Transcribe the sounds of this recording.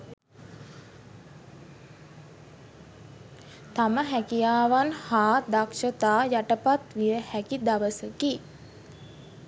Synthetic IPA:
t̪aməɦækijaːʋanhaːd̪akʃət̪aːjaʈəpat̪ʋijəhækid̪aʋəsəki

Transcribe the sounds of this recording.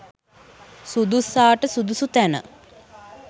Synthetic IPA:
sud̪usaːʈəsud̪usut̪ænə̰

